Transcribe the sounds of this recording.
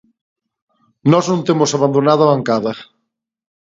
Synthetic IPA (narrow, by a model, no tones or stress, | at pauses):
nɔznõnt̪emosaβand̪onaðaβaŋkaðɐ